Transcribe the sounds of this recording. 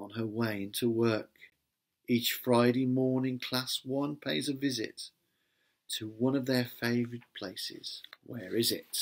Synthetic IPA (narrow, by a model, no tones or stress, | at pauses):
ə̃nəweɪɪ̃ntʰuwɜ˞k | it͡ʃfɹaɪɾeɪmɔɹnɪ̃ŋkʰl̥aswʌ̃npʰeɪd͡ʒʌvɪzɪ̰tʰ | əwʌ̃nʌvðə˞feɪvəɹɨd̚pʰl̥eɪsɪ̰z̥wəɹɪzɪt̚